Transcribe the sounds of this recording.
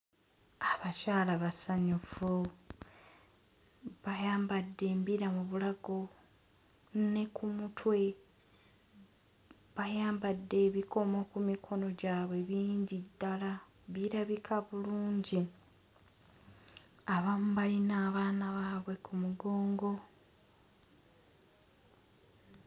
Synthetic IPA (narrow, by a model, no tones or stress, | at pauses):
aβacaːlaβasaɲufu | βajaːmbadːe̞ːmbiɾamuβulaɡo̞ | ne̞kumutʰwe̞ | βajaːmbadːe̞βikʰo̞mokumikʰo̞no̞ɟaːβwe̞βiːɲɟidːala | βiɾaβikʰaβuluːɲɟi | aβamuβalinaːβaːnaβaβwe̞kumuɡo̞ːŋɡo̞